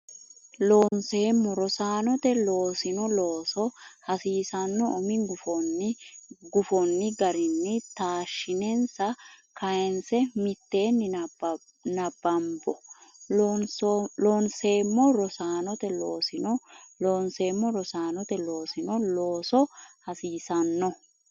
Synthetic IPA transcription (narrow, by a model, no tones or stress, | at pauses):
loːnseːmːɔɾɔsaːnɔt̪ɛloːsɪnɔloːsɔhɐsiːsɐnːɔɔmɪŋɡʊfɔn | ɡʊfɔnːɪɡɐɾɪnːɪt̪aːʃɪnɛnsɐkɐjɛnsɛmɪt̪ːe̞ːnːɪb | nɐbːɐmbɔ | nslonseːmːɔɾɔsaːnɔt̪ɛloːsɪnɔloːnseːmːɔɾɔsaːnɔt̪ɛlo̞ːsɪnɔloːsɔhɐsiːsɐnːɔ